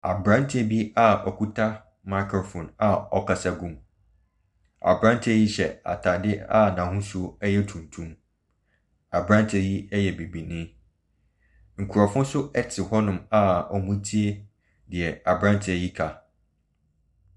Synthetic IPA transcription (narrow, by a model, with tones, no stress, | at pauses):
a˨bɾã˦n˦tʰɪ˦ɛ˦bi˦a˦ɔ˨kʰu˦tʰa˦ | ma˨kʰo˨fɔ̃˨na˨ɔ˨kʰa˨sa˦ɡũ˨m | a̰˨bɾã˦n˦tʰɪ˦ɛ˦ji˦ɕɛ˨a̰˨tʰa˨dɪ˦a˦nã˨ɦʊ̃˦sʊ˦ɛ˦jɛ˦tʰũ˨ntʰũ˦m | a˨bɾã˦ntʰɪ˦ɛ˦ji˦ɛ˦jɛ˨be˨bi˨nɪ̃˦ | ŋ̩˨kʰu˨ɾɔ˨fʊ̃˦sʊ˦ɛ˦tʰɪ˨hɔ˦nʊ̃˨ma˨ɔ˨mũ˦tʰi˦e˦ | dɪ˨ɛ˨a˨bɾã˦n˦tʰɪ˦ɛ˨ji˦kʰa˨